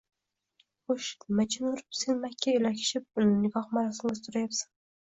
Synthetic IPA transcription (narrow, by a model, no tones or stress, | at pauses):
χoʃmat͡ʃʰɪnʊɾɪpsenmakʲʰːaelakʲʰɪ̥ʃɪp̚nɪɡɑχmaɾasɪŋʲazt̪ʊɾajapsḁn